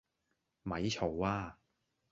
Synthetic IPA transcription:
mɐ˨˥jt͡ʃʰo˨˩waː˧˩

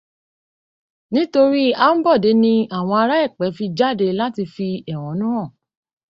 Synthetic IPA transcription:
nĩ˦to˧ɾi˦a˦m̩˦bɔ˦˨de˨˦nĩ˧a˦˨w̃ɔ̃˧a˧ɾa˦ɛ˦˨k͡pɛ˨˦fi˧d͡ʒa˦˨de˧la˦ti˧fi˧ɛ˦˨w̃ɔ̃˨˦nũ˦ɔ̃˦˨

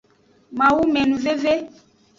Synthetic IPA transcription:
mã˨wu˦mɛ˨nũ˨ve˦ve˦

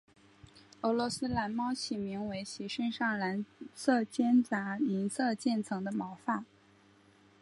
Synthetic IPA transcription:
ɤ˧˥lwɔ˧˥sɹ̩˥la˧˥nmɑ˥ʊɕʰi˨˩mi˧˥ŋwe˧˥ɪɕi˧˥ʂə˥ŋʂɑ˥˩ŋla˧˥nsɤ˥˩t͡ɕjɛ˥nt͡sa˧˥li˧˥nsɤ˥˧t͡ɕjɛ˥˩nt͡sʰɤ˧˥ŋd̪ə˧mɑ˧˥ʊfa˥˩n

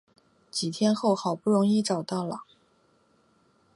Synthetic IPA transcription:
t͡ɕi˨˩t̪ʰjɛ˥nxo˥˩ʊxɑ˨˩ʊpu˥˩ɻʊ˧˥ŋi˥˩ʈ͡ʂɑ˨˩ʊt̪ɑ˥˩ʊlə˩

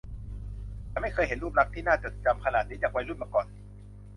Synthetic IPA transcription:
t͡ɕa˨˩ma˥˩jkʰɤː˧jɦe˩˦nɾu˥˩p̚ɾa˦˥k̚t̪ʰiː˥˩naː˥˩t͡ɕɤː˨˩t̪̚t͡ɕa˧mkʰa˧naː˨˩t̪̚niː˨˦˥t͡ɕa˨˩kwa˧jlu˥˩n̚maː˧˩kɔː˨˩n

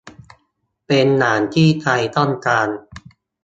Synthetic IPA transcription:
pe˧nːaː˩˦nt̪ʰiː˥˩t̪ʰa˧jt̪ɔ˥˩nkaː˧n

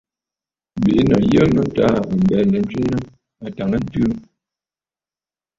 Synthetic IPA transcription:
be˨˦nɔ˨jə˦mə˦ta˦˨bə˨m̩˨bɛ˨nə˨n̩˦t͡ʃi˦nə˦ | a˨ta˨ŋə˦n̩˦tʉ˦

